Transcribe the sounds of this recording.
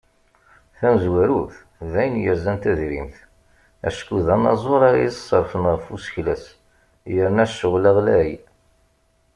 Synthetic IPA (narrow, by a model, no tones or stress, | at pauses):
θæməzwæɾuθ | ðæjənjəɾzænt̪æðɾḭmθ | æ̰ʃkuðænɑ̰zˤoɾˤɑssˤːəɾˤfənʁəfusçlæs | jəɾnæʃːəʁlæʁlæi